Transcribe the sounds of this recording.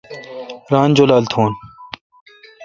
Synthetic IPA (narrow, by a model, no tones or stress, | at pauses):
ɾaːnd͡ʑoːlaːlt̪ʰoːn